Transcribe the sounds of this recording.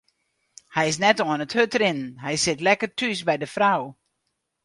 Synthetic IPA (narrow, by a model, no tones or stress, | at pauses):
hɛjɪs̬nɛtoənəthøtrɪnnɦɛjsɪtlɛkərtʰys̬bɛjdəfraw